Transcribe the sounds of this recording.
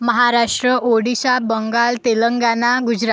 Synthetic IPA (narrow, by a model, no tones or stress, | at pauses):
məɦaɾaʂʈɾəʔoɽiɕabəŋɡalt̪eləŋɡanaɡud͡ʑɾa